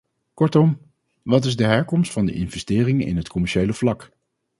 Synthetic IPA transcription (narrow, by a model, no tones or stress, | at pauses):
kɔɹtɔm | ʋɑt̬ɪzdəɦɛɹkɔmstfɑndə̰ʔɪnvɛstɪːrɪŋɪ̰nɦətkɔmɛɹʃejləv̥lɑk